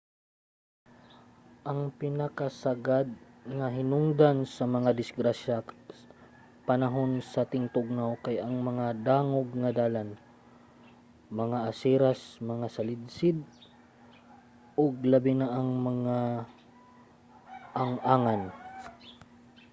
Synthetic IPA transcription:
ʔɐŋpɪnɐkasaɡad̪̚ŋɐɦɪnʊŋd̪ansɐmɐŋad̪ɪsɡɾaʃa | pɐnɐɦo̞nsɐt̪ɪŋt̪ʊɡ̚nawkajɐŋmɐŋad̪aːŋoɡŋɐd̪aːlan | mɐŋaʔɐsiɾasmɐŋasɐlɪd̪̚sɪd̪̚ | ʔoɡ̚lɐbɪnaʔaŋmɐŋa | ʔaŋaːŋan

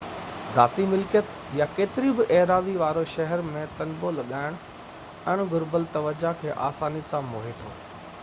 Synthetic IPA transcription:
za̰ːt̪imɪlkjət̪ | jakeːt̪ɪɾibɪʔɛːɦɾaːziʋaːɾoʃɐɦɛɾmẽt̪ɐnbolɐɠaːɪɽ̃ | ɛɽ̃ɡʊɾbəlt̪ɐʋəd͡ʑakʰeːʔaːsaːnijəsãmoːɦet̪ʰo̰ː

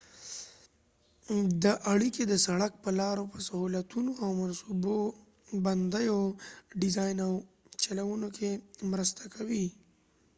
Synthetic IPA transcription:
d̪əʔaɽiked̪əsaɽak̚pəlɑɾopəsahulat̪unoawmansubo | bɐnd̪əjoɖɪzɑjnaw | t͡ʃalawunokʰemɾəst̪ʰakʰawi

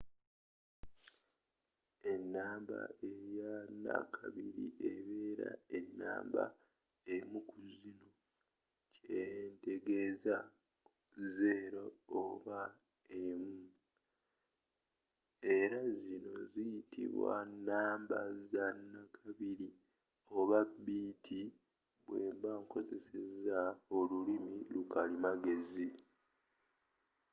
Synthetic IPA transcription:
e̞nːaːmba̰ejanːa̰kʰaβiɾḭʔeβeːɾa̰enːa̰ːmba̰ | emukuzino | cejente̞ɡe̞za | zeɾooβa | emu | e̞ɾazino̞̰zijitʰḭβwa̰nːaːmbazanːakʰaβiɾi | o̞βabiːtʰi | βweːmbaŋko̞ze̞se̞zao̞lulimilukalimaɡe̞zi

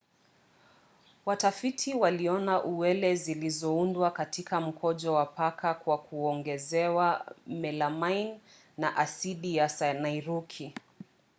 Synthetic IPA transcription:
watafitʰiwaliɔnaʔuwɛlɛzilizɔundwakatikam̩kʰɔʄɔwapakʰakwakuɔŋɡɛzɛwamɛlamajnː | aʔasiɗijasnajɾukʰi

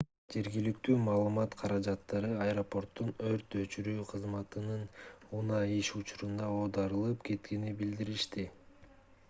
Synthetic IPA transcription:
d͡ʒe̞ɾɡilikt̪yːmɑːlˠɯmɑt̪qʰɑɾɑd͡ʒɑt̪ːɑɾɯɐjɾo̞po̞ɾt̪ːunø̞ɾt̪ø̞t͡ʃyɾyːqʰɯzmɑt̪ɯnɯnunɑiʃut͡ʃuɾund̪ɑo̞ːd̪ɑɾɯlˠɯpkʰe̞t̪ke̞nibild̪iɾiʃt̪i

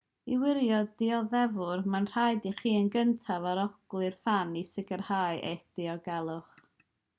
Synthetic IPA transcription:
iwɪɾjɔdɪɔðɛvʊrmanr̥ajdiχiːənɡəntʰavaɾɔɡ̥lˠɨrfanisɪɡərhaːɨʔḛjθd̥ɪɔɡɛlˠʊχ

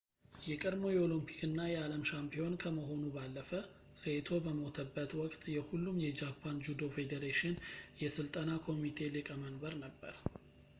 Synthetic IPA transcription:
jɛkʼəd̪mo̞jɛolimpʰi̥kɨnːajɛaləmʃampʰijo̞nkʰəməɦo̞nubalːəfə | set̪ʰo̞bəmo̞t̪ʰəbːət̪wɔkʼt̪ʼjɛhulːumjɛd͡ʒapʰːand͡ʒud̪o̞fe̞d̪eɾeʃɪnjɛsɨlt̪ʼənakʰo̞mit̪ʰe̞lɨkʼəmənbəɾnəbːə̰ɾ

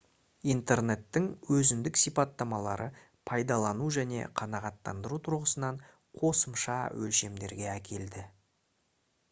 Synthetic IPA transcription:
int̪e̞ɾne̞t̪ːɪŋwɵzɪnd̪ɪksijpɑt̪ːɑmɑlˠɑɾə | pʰɑjd̪ɑlˠɑnuʒæne̞̰qʰɑnɑʁɑt̪ːɑ̰nd̪əɾut̪ʰʊɾʁəsənɑɴ | qʰo̞səmʃɑwʔɵlʃe̞md̪e̞ɾɡʲe̞ækʲʰe̞ld̪ɪ

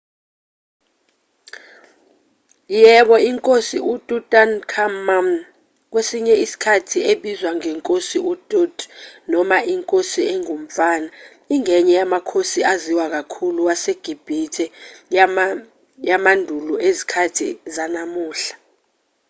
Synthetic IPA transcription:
jɛɓɔiŋkʼosiutʼutʼankʰamam | k̬wesiɲɛisi̥kʰatʰieɓizwaŋɛŋkʼosiʔutʼudnɔmaʔiŋkʼosieŋum̩faːna | iŋɛɲɛjamakʰosiaziwak̬akʰuluwaseɡ̥ʱib̥ʱitʰʼɛ | jamandʱuluezikʰatʰizanamuːɬḁ

